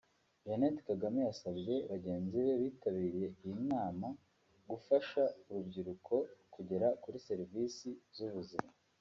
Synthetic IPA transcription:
ʒenetkaɡamejasabɟe̞βaɟe̞ːnziβe̞βiːtaβiːɾije̞ijimnaːma | ɡufaʃauɾubɟiɾukʰo̞kuɟe̞ɾakuɾise̞ɾiviːsizuβuzima

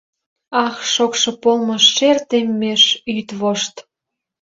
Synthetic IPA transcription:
ɑxʃokʃɤ̆polməʃːert̪emːeʃyt̪βoʃt̪

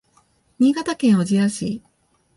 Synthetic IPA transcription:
ɲ̟ʲiːɡat̪akẽ̞ɰ̃oʑijaɕi

